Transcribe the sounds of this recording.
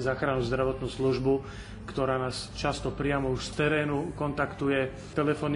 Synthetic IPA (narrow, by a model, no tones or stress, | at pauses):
zaːxɾanuzd̪ɾaʋɔt̪nuːsluʒbu | kt̪ɔɾaːnaːst͡ʃast̪ɔpɾɪamɔuʃst̪ɛɾɛːnukɔnt̪akt̪ujɛ | t̪ɛlɛfɔn